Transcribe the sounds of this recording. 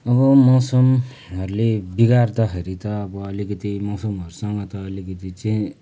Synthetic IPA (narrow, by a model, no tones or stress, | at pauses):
ʌβʌmʌwsʌm | ɦʌɾulebiɡart̪ʌɦʌɾit̪ʌːbʌːlikʌt̪imʌwsomɦʌɾusʌŋɡʌt̪ʌːlikʌt̪it͡sʌĩ